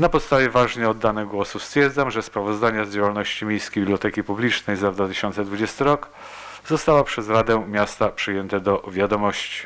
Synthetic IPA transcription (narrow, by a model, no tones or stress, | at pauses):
napɔt̪st̪avʲjɛvaʐɲɛɔd̪ːanɛɡwɔsust̪fʲjɛɾd̪zamʐɛspɾavɔzd̪aɲazd͡ʑawalnɔɕt͡ɕimʲjejskʲebʲiblʲjɔt̪ɛkʲipublʲit͡ʂnɛjzad̪vat̪ɘ̥ɕɔnt̪sɛd̪vud͡ʑɛst̪ɘɾɔk | zɔst̪awapʂɛzɾad̪ɛmʲjast̪apʂɘjɛnt̪ɛd̪ɔvʲjad̪ɔmɔɕt͡ɕi̥